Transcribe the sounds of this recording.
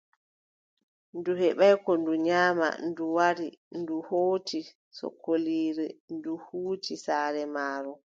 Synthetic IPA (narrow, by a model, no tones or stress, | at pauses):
nduhɛɓajkɔnduɲaːma̰nduwaɾinduhoːti | sɔ̰kːoliːɾɛnduhuːtisaːɾɛmaːɾɔ